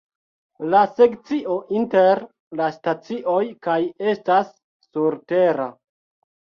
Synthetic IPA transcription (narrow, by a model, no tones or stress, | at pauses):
lase̞kt͡siʔo̞ʔinte̞ɾ | lastat͡siʔo̞jkaje̞stasː | uɾte̞ɾa